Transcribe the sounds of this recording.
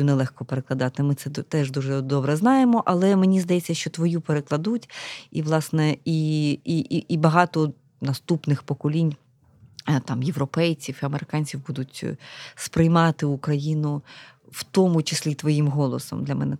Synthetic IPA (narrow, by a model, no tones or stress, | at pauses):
unɛlˠɛxkɔpeɾeklˠɐd̪ɑt̪ɪmɪt̪sɛt̪ɛʒd̪uʐɛd̪ɔbɾɛznɑjemɔʔɐlˠɛmenʲizd̪ɐjɛt͡sʲːɐʃt͡ʃɔt̪ʋɔjupeɾeklˠɐd̪utʲḭʋlˠɑsnɛiiiʔibɐɦɑt̪ɔ | nɐst̪upnɪxpɔkɔlʲinʲ | t̪ɑmjeʋɾɔpɛjt͡sʲiwiɐmeɾɪkɑnʲt͡sʲiwbud̪ʊtʲspɾɪjmɑt̪ɪukɾɐjinʊwt̪ɔmʊt͡ʃɪsʲlʲit̪ʋɔjimɦɔlˠɔsɔ̰md̪lʲɐmɛ̰nɛ